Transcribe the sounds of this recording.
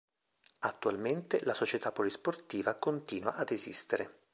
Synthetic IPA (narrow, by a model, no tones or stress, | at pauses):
at̪ːualment̪elasot͡ʃet̪apːolisport̪iːvakont̪iːnwaʔad̪ezḭst̪eɾe